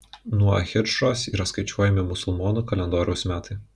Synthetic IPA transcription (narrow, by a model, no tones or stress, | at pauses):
nuɔxʲɪɾʃoːsiːɾɐskɐɪt͡ʃʲuɔjɛmʲɪmʊsʊlˠmɔːnuːkɐlʲɛnd̪oːɾʲɛʊsmʲæːt̪ɐɪ